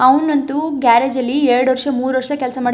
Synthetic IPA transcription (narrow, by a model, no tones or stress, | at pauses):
ɐʋnʋɐnt̪uɡaːɾeːd͡ʒɐlːieɾɐɽuʋɐɾʂɐmuːɾʋɐɾʂɐkeɛlsɐmaːɽi